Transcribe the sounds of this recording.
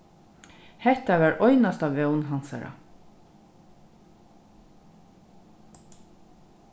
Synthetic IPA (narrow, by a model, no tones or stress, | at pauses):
hɛt̪ɑʋæːɾʔɔʏnɑst̪ɑːʋɛʊnhɑnsæ̰ɾɑ̰